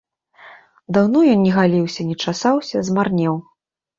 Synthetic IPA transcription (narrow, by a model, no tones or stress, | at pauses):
d̪awnɔjɔnnʲɛɣalʲiwsʲɐnʲɛt͡ʂasawsʲɐzmarnʲɛw